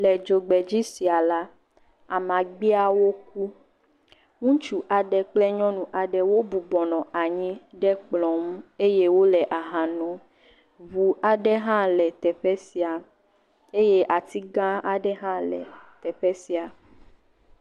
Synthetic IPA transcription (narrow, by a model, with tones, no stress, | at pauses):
lɛ˨d͡ʒo˨ɡ͡bɛ˨d͡ʑi˦si˨a˨la˦ | a˨mã˨ɡ͡bi˦a˨wo˦k̚u˦ | ŋũ˦t͡ʃu˦ʔa˨ɖɛ˨k͡plɛ˦ɲɔ̃˦nũ˨ʔa˨ɖɛ˨wo˦bu˨bɔ˨nɔ̃˨a˨ɲĩ˦ɖɛ˦k͡plɔ̃˨m̩˦e˦je˦wo˦lɛ˨ʔa˨ɦã˨nɔ̃˨ | vu˨a˨ɖɛ˦ɦã˦lɛ˨t̪ɛ˨ɸɛ˦si˨a˨ | e˦je˦ʔa˨t̪i˦ɡã˦a˨ɖɛ˦ɦã˦lɛ̰˨t̪ɛ˨ɸɛ˦si˨a˨